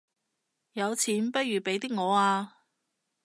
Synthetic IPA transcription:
jɐ˨˧wt͡sʰiː˨˥npɐ˥t̚jyː˨pe˨˥jt̪iː˥k̚ŋɔː˨˧aː˧

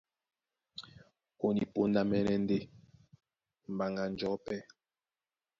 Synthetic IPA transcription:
o˨ni˨po˦n˦da˦mɛ˦nɛ˦n̩˦de˦˨ | m̩˨ba˨ŋɡa˨n˦d͡ʒɔ˨˦pɛ˦˨

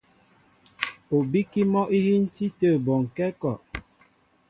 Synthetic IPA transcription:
o˨bi˦ki˦mɔ˦ʔi˦hi˦n̩˦ti˦tə˦˨bɔ˨ŋ̩˨kɛ˦kɔ˨ʔ

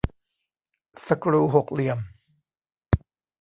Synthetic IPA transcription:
sa˧kɾuː˧˩ɦo˨˩k̚li˧˩əm

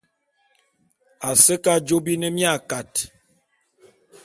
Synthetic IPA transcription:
a˨sə˦ka˦d͡ʒo˦bi˦nə˦mja˦˨ka˨t

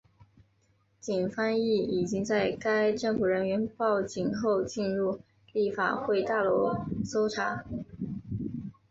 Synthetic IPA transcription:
t͡ɕi˨˩nfa˥ni˥˩i˨˩t͡ɕi˥ŋt͡sa˥˩ɪka˥ɪʈ͡ʂɤ˥˩fu˨˩ɻə˧˥nɥɛ˧˥npɑ˥˩ʊt͡ɕi˨˩ŋxo˥˧ʊt͡ɕi˥˧nɻu˥˧ | li˥˩fa̰˨˩xwe˥˧ɪt̪a˥˩lwɔ˧˥so˥ʊʈ͡ʂʰa˧˩˥

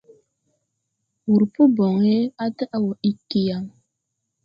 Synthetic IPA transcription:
wu˨ɾpu˦bɔ˨ŋe˦a˦tə˦ʔa˨wɔ˨i˦kːi˨ja˨ŋ

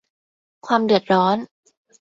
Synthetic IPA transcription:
kʰwaː˧mdɯ˨˩ət̪̚ɾɔː˦˥n

